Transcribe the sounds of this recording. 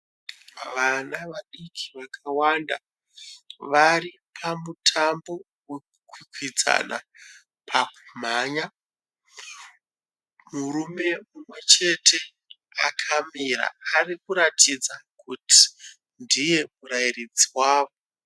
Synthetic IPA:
ʋanaʋaɗikʰi̥ʋakʰawanda | ʋari | pʰamutʰambo̞ | we̞kukwikwid͡za̰na̰ | pʰaku̥m̤aːɲa | muɾume̞mumwe̞t͡ʃe̞tʰe̞ | akʰamiɾa̰ːrikuɾatʰid͡zakuti̥ | ndije̞murairid͡ziwaːʋo̞

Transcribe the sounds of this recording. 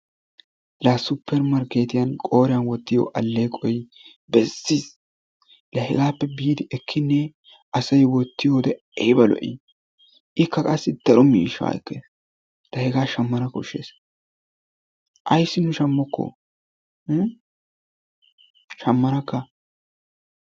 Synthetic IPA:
lasʊpːɛɾmɐɾkːeːt̪ɪjɐnkʼo̞ːɾɪjɐnwɔt̪ːɪjɔ̰ʔɐlːeːkʼɔj | bɛsːis | lɐhɛɡaːpːɛbiːd̪ɪʔɛkʰːɪnːɛ | ʔɐsɐjwɔt̪ːɪjoːd̪ɛ | ɛjbɐlɔ̰ʔḭ | ʔɪkːɐkʼɐsːɪd̪̥ɐɾɔmiːʃa̰ɛ̰kːḛːs | lɐhɛɡaːʃɐmːɐnɐkɔʊʃe̞̰ːs | ʔɐjsːɪnʊʃɐmːɔkːɔ̰ | ʃɐmːɐnɐkːɐ

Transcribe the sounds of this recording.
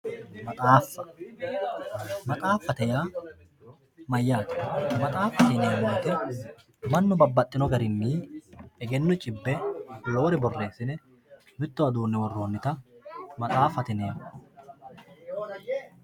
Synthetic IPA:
mɐt̪ʼaːfːɐ̥ | mɐt̪ʼaːfːɐt̪ɛjaː | mɐjːaːt̪ɪ̥mɐt̪ʼaːfːɐt̪ɪneːmoːt̪ɪ | mɐnːʊbɐbːɐt̪ʼːɪnɔɡɐɾɪmːiːɛɡɛnːɔt͡ʃʼɪbːɛjo̞ːɾɛbɔrːe̞ːsɪnɛ | mɪt̪ːɔɐd̪uːnːɛwɔrːoːnːɪt̪ɐmɐt̪ʼaːfɐt̪ɪneːm

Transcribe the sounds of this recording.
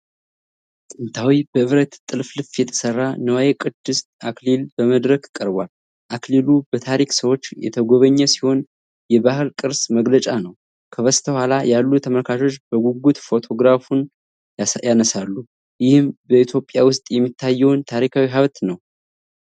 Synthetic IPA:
sʼɨnt̪ʰawibəɨβɾət̪t̪ʼːɨlflɨfjɛt̪ʰə̥sərːanəwajekʼɨd̪̥ːɨst̪aklilbəməd̪ɾəkkʼːəɾbwal | ʔaklilubət̪ʰaɾiksəwo̞t͡ʃːjɛ̰t̪ʰəɡo̞βəɲːɛsi̥ho̞n | jɛβahɨlkʼɨɾsməɡlət͡ʃʼanəw | kʰəβəst̪ʰəhʷalajalːut̪ʰəməlkʰaʃo̞t͡ʃːb̥əɡuɡut̪fo̞t̪ʰo̞ɡɾafun | janəsalːu | jɪhɨmbəit̪ʰjo̞pʼjawʊst̪ʼjɛmːit̪ʰːajːɛwnt̪ʰaɾikʰawiɦaβt̪nəw

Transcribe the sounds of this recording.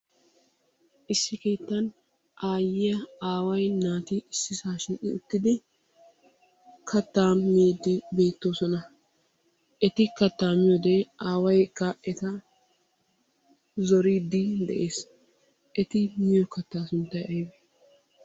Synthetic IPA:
ʔɪsːɪkeːt̪ːɐn | ʔaːjɪjɐaːwɐjnaːt̪ɪɪsːɪsaːʃɪʔɪʊt̪ːɪd̪ɪ | kʰɐt̪ːaːmiːd̪ɪbe̞ːt̪ːo̞ːsɔnɐ | ʔɛt̪ɪkɐt̪ːaːmɪjɔd̪ɛʔaːwɐjkaʔɛt̪ɐ | zɔɾiːd̪ːɪd̪ɛ̰ʔe̞ːs | ʔɛt̪ɪmɪjɔkɐt̪ːaːsʊnt̪ːɐjʔɐjbe

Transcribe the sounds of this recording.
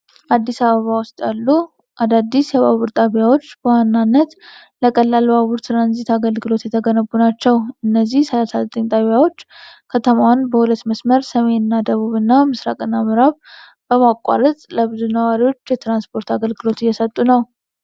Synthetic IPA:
ʔad̪ːisaβəβawʊst̪ʼjalːu | ʔad̪ad̪ːisjɛβa̰βuɾt̪ʼaβjawo̞t͡ʃːbəwanːanːət̪ | ləkʼəlːalaβuɾt̪ʰɾanzit̪aɡəlɡɨlo̞t̪jɛt̪ʰəɡənəbːunat͡ʃːɛwʔɨnːəzːihsəlasazət̪ʼəɲt̪ʼaβjawo̞t͡ʃːkʰət̪ʰəmanbəhulət̪ːməsməɾsəme̞nɨnːad̪əβuβɨnːamɨsɾa̰kʼɨnːamɨɾaβ | b̥əmakʼːa̰ɾət̪ʼləβɨzunəwaɾiwo̞t͡ʃːjɛt̪ɾanspʰo̞ɾt̪aɡəlɡɨlo̞t̪ɨjːɛsət̪ʼːunəw

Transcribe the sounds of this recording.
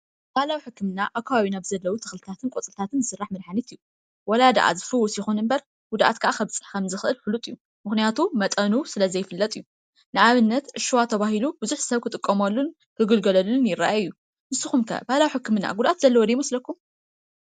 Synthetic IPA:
b̥ahlawiħɨkʰːɨmɨnːaʔakʰːaβaβinaβzɐlːɐwut̪ʰɨ̥xlɨt̪ʰat̪ʰɨnkʼot͡sʼɨlt̪ʰat̪ʰɨnzɨsɨrːaħmɨd̪ħanit̪ɨju | wɔlad̪ɐ̰ʔa̰zɨfɨwːɔsjixunɨmbɐɾ | ɡ̥ud̪ʔat̪kʰaʔakʰɐβt͡sʼɨ̥ħkʰɐmzɨxɨʔɨlfulut̪ʼɨju | mɨxnijat̪ʰumɐt̪ʼɐnusɨlɐzɐjfɨlːɐt̪ʼɨjːu | nɨʔaβɨnːɐt̪ʔɨʃuwat̪ʰɐβaɦilubʊzuħsɐβkʰɨt̪ʼɨkʼːɐmɐlːun | kʰɨɡɨlɡɐlɐlunjɪɾaʔaɨjːu | nɨsɨxumkʰɐ̰bahlawiħɨkːɨmɨna̰ɡud̪ʔat̪zɐlːɐwɔd̪ɐjmɐslɐkːum

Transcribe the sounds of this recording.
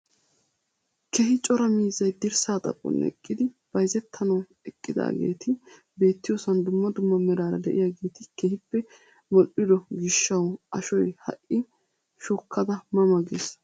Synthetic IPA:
kɛɦɪt͡ʃʼɔɾɐmiːzːɐjd̪ɪɾsaːt̪ʼɐ̰pʼːɔ̰nɛ̰kʼːɪd̪ɪ | b̥ɐjzɛt̪ʰːɐnɐw | ɛkʼːɪd̪a̰ːɡe̞̰ːt̪ʰɪ | be̞ːt̪ːɪjosɐnd̪ʊmːɐd̪ʊmːɐmɛɾaːɾɐd̪ɛʔɪjaɡe̞ːt̪ɪkɛhɪpːɛ | mɔʔːɪd̪ɔɡɪʃːɐwɐʃɔjhɐ̰ʔːɪ | ʃɔkʰːɐd̪ɐmɐmɐɡes

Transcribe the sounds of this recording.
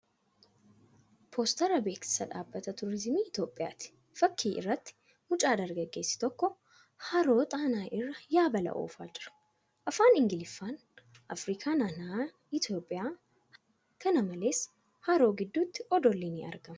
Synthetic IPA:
pʰo̞ːst̪ɐɾɐbe̞ːkɪ̥sɐᶑaːbːɐt̪ɐt̪ʊɾɪzmiːɪt̪jo̞ːpʼːɪja̰ːt̪ɪ̥ | fɐkːiːʔɪ̰rːɐt̪ːɪ̥ | mʊt͡ʃʼaːd̪ɐɾɡɐɡːe̞ːsːɪ̥t̪ɔkːɔ | hɐɾo̞ːt̪ʼaːnaːʔɪrːɐjaːbɐlɐ̰ʔo̰ːfaːd͡ʒɪɾɐ̥ | ʔɐfaːnɪŋɡɪlɪfːaːn | ʔɐfɾiːkʰaːnaːnaː | ɪt̪jo̞ːpʼːɪjaː | h | kʰɐnɐmɐleːs | hɐɾo̞ːɡɪd̪ːut̪ːɪ̥ʔɔd̪ɔlːiniʔɐ̰ɾɡɐm

